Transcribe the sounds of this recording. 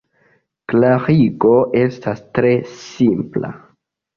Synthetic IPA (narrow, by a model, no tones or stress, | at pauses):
klaʁiɡo̞ʔe̞stastɾe̞simpla̰